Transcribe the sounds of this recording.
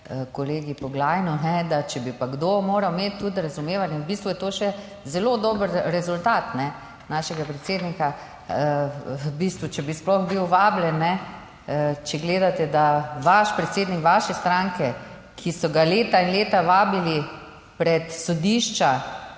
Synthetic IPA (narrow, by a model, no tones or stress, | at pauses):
kɔleːɡipɔɡlaːjnunɛd̪at͡ʃɛbipaɡd̪omoːɾawmeːt̪ːut̪ɾazumeːʋanjɛwbist̪ʋujɛt̪oːʃɛ | zɛloːd̪ɔːbəɾɾɛzult̪aːt̪nɛ | naːʃɛɡapɾɛt̪seːd̪nika | əbist̪ʋut͡ʃɛbisplɔxbiwʋaːbljɛnːɛ | t͡ʃɛɡleːd̪at̪ɛd̪aʋaʃpɾɛt̪seːd̪nikʋaːʃɛst̪ɾaŋkɛ | kʰisɔɡaleːt̪ainleːt̪aʋaːbili | pɾɛt̪sɔd̪iʃt͡ʃa